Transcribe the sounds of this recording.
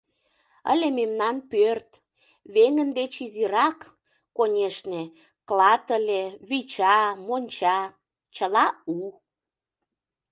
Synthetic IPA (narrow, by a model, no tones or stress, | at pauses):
ə̰lʲememnɑnpørt̪ | βeŋənd̪et͡ɕiziɾɑkː | onʲeʃne | klɑt̪əlʲeβit͡ɕɑmonʲt͡ɕɑ | t͡ɕəlɑu